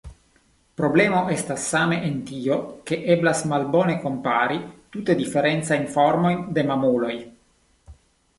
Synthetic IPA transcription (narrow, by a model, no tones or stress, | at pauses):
pɾo̞blemoʔestasːameʔent̪ioke̞ʔeblasmalbone̞ko̞mpaɾit̪ut̪e̞d̪ifeɾent̪t͡sajnfoɾmo̞jnd̪e̞mamulo̞j